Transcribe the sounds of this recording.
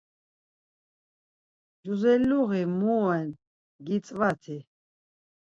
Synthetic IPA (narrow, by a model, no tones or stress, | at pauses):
d͡ʒuzɛluɣimuɛn | ɡit͡sʼvat̪ʰi